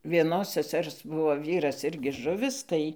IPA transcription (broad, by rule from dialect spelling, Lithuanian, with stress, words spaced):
ʋʲiɛˈnoːs sʲɛˈsʲɛrs ˈbʊʋoː ˈʋʲiːrɐs ˈɪrʲɡʲɪ ˈʒʊʋʲɪs ˈtɐɪ